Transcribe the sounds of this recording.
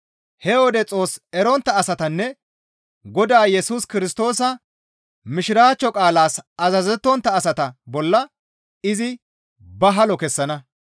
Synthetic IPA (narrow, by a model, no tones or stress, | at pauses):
hɛwɔd̪ɛt͡sʼo̞ːsɛɾɔnt̪ːɐːsɐt̪ɐnːɛ | ɡɔd̪aːjɛsuːskɪɾɪst̪o̞ːsɐ | mɪʃɪɾaːt͡ʃːɔkʼaːlaːsɐzɐzɛt̪ːɔnt̪ːɐːsɐt̪ɐbɔlːɐ | ɪzɪ | bɐɦɐlɔkɛsːɐnɐ